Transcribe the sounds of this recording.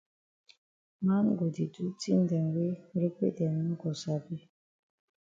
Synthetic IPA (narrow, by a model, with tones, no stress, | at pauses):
ma˦n˦ɡo˨di˨du˦ti˦n̩˦dɛ˨ŋ˨ɡe˦ɾe˦kʷḛ˦˨dɛ˨n˦u˦ɡɔ˨sa˨bi˦